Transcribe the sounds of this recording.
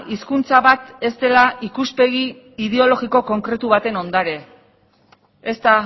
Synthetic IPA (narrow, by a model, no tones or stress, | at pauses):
iskunt͡saβat̪e̞st̪e̞laʔikuspe̞ɣiː | ðe̞o̞lo̞ɣiko̞ko̞ŋkɾe̞t̪uβat̪e̞no̞nd̪aɾe̞ | est̪a